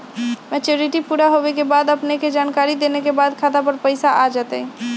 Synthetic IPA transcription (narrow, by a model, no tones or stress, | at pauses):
mɛt͡ʃoɾiʈipuɾaɦoʋekebad̪əpneked͡ʒankaɾid̪enekebad̪kʰat̪apəɾpəɪsaʔad͡ʒat̪əj